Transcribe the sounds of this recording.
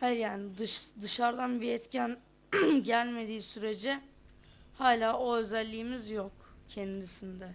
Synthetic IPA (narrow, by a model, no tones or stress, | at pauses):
haljaːnid̪ɯʃd̪ɯʃaɾd̪anbiɛt̪cʰæn | ɟælʲme̞d̪iːsyɾe̞d͡ʒi | haːlʲaːʔo̞ø̞zælʲːiːmizjokcʰɛnd̪isind̪ɛ